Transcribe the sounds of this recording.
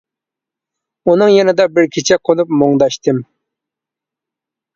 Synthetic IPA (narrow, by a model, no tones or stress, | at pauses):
unɨŋjɛnɪd̪ɑbɪɾkʲʰit͡ʃʰɛqʰonupmoŋd̪ɑʃt̪ʰɨm